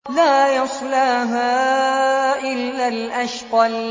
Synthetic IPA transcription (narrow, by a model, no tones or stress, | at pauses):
laːjɑsˤlaːɦaː | ʔɪlːalʔaʃqɑl